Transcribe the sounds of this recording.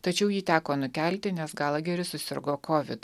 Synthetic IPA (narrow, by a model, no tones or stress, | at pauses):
t̪ɐt͡ʃʲɛʊjiːt̪ʲæːkoːnʊkʲæˑlʲt̪ʲɪnʲɛsɡɑlˠɐɡʲɛɾʲɪsʊsʲɪ̰ɾɡoːkɔʋʲɪ̰t̪